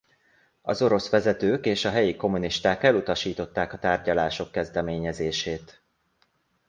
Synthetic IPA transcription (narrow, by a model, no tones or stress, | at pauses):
ɒ̰zo̞ɾo̞sʋɛzɛt̪øːkeːʃɒɦɛjiko̞muniʃt̪aːkɛlut̪ɒʃiːt̪o̞t̪ːaːkɒt̪aːrɟɒlaːʃo̞kːɛzd̪ɛmeːɲɛzeːʃeːt̪